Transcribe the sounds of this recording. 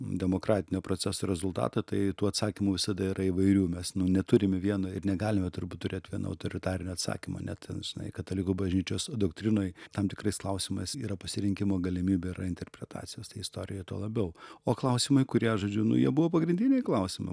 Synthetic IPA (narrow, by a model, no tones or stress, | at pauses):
d̪ʲɛmoːkɾɑːt̪ʲɪnʲoːpɾoːt͡s̪ʲæsoːɾʲɛzʊlˠt̪ɑ̰ːt̪ɐt̪ɐɪt̪uːɐt̪sɑːkʲimuʋʲɪsɐd̪ɐɪɾʔɐɪʋɐɪɾʲuːmʲɛsnʊnʲɛt̪ʊɾʲɪmʲɛʋʲiɛnoɪrnʲɛɡɑːlʲɪmʲɛt̪ʊɾbuːt̪̚t̪ːʊɾʲeːt̪ʲʋʲiɛno̰ɐ̰ʊt̪oːɾʲɪt̪ɑːɾʲɪnʲʊɐt̪sɑ̰ːkʲimo̰nʲɛ̰tt̪ʲɛnʒʲɪnɐ̰ɪkɐt̪olʲɪkuːbɐʒʲnʲiːt͡ʃʲoːsd̪okt̪ʲɾʲɪnoːjt̪ɐmt̪ʲɪkrɐɪsklˠɐʊsʲɪmɐɪsiːɾɐpɐsʲɪɾʲɪŋʲkʲɪmoːɡɐlʲɪmʲiːbʲeɪɾɐɪnʲt̪ʲɛrʲpʲɾʲɛt̪ɑ̰ːt͡s̪ʲɪjoːst̪ɐɪɪst̪oːɾʲɪjot̪oːlˠɐbʲɛʊoːklˠɐʊsʲɪmɐɪkʊɾʲiɛʒoːd͡ʒʲʊnʊ̰jiɛbʊʋoːpɐɡɾʲɪnʲd̪ʲɪnʲɛɪklˠɐʊsʲɪmɐ̰ɪ